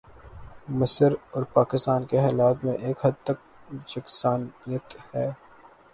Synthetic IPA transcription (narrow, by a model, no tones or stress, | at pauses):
mɐsəɾɔːɾpaːkɪst̪aːnkeɦɛːlaːt̪mẽʔeːkɦɐd̪̚t̪ɐk̚d͡ʒɐksaːnijət̪hɛː